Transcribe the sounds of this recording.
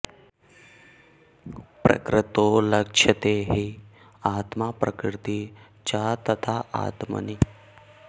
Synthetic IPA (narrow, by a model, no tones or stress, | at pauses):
pɾɐ̰kɾɪt̪olɐkʂʰɐt̪eɦi | aːt̪maːpɾɐkɾɾɪt̪i | t͡ʃat̪ɐt̪ʰaʔa̰ːt̪mə̰ni